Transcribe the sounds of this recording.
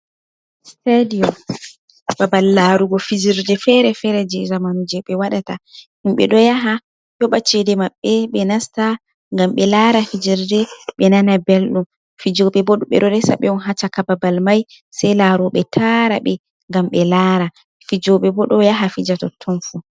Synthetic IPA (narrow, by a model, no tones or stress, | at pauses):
stadiɔm | babalːaɾuɡɔfid͡ʒiɾdɛfɛɾɛfɛɾɛd͡ʒɛzamanud͡ʒɛɓɛwaɗatahimɓɛ̰ɗɔjaɦa | jɔɓat͡ʃɛdɛmaɓːɛɓɛnasta | ŋɡamɓɛlaɾafid͡ʒiɾdɛɓɛnanabɛlɗum | fid͡ʒɔɓɛbɔɗuɓɛ̰ɗɔdɛsa̰ɓɛɔnɦat͡ʃakababalmaj | sɛjlaɾuɓɛtʰaɾa̰ɓɛ | ŋɡamɓɛlaɾa | fid͡ʒɔɓɛbɔɗɔjaɦafid͡ʒatɔtʰːɔnfu